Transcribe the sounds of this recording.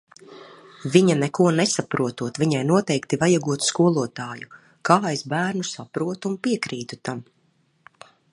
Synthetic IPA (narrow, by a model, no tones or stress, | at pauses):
viɲanɛkuɔnɛsapɾuɔt̪uɔt̪viɲajnuɔt̪ɛjkt̪ivajaɡuɔt̪skuɔlˠuɔt̪aːju | kaːezbæːɾnusapɾuɔt̪uːnpiɛkɾiːt̪ut̪am